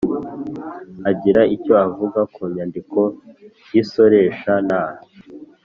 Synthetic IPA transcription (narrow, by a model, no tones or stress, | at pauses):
aɟiɾaico̞avuɡakuːɲandiko̞ | jiso̞ɾe̞ːʃanaːhi